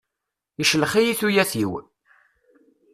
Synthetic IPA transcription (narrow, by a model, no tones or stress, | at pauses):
iʃləχijiθujæθiw